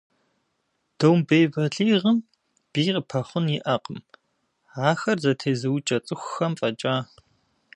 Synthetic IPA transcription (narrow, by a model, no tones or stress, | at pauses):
d̥owmbejvɐɮiːʁəm | b̥iːqəpʰɐχʷʊnjɪʔɐqʼəm | aːxɐrzɐtʰeːzɨwt͡ʃʼɐt͡sʼɨxʷxɐmfʼɐt͡ʃʼaː